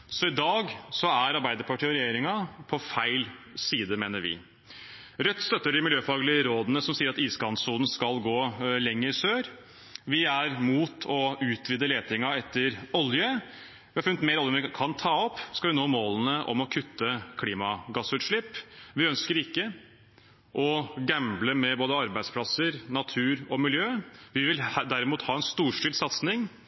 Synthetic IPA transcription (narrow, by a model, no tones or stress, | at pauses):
sɔɪd̪ɑːɡsɔæɾɑɾbæɪd̪əɾpʰɑʈʰiːɔɾɛjeːɾɪŋɑpʰɔfæɪlsiːd̪əmeːnəɾʋɪ̰ | ɾœt̪ːst̪œt̪ːəɖɪmɪljøːfɑːɡəlɪəɾoːd̪ənəsɔmsiːəɾɑt̪iːskɑnsuːd̪n̩skɑlɡoːlɛŋːəɾsøːɾ | ʋɪæɾmuːt̪ʰɔʉːt̪ʰʋid̪əleːt̪ʰɪŋɑɛt̪ːəɾɔljə | ʋɪhɑɾfʉnːət̪meːɾɔlənʋɪkʰɑnt̪ʰɑːɔpːskɑlʋɪnoːmoːlənəʔɔ̰mɔkʰʉt̪ːəkʰliːmɑɡɑsʉːt̪ʂɭɪpːʋɪœnskəɾɪkːə | ʔɔɡæmbləmɛboːd̪əɑɾbæɪd̪spʰlɑsəɾnɑt̪ʰʉːɾɔmɪljøːʋɪʋɪld̪æɾɪmuːt̪hɑːɛnst̪uːʂʈɪlsɑt̪snɪŋ